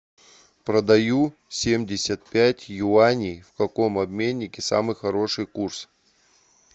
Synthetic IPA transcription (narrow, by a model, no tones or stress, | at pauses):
pɾəd̪ɐju | sʲemdʲɪsʲət̪̚pʲætʲjʊanʲijfkɐko̞mɐbmʲenʲːɪkʲɪsa̰mɨjxɐɾo̞ʂɨjkurs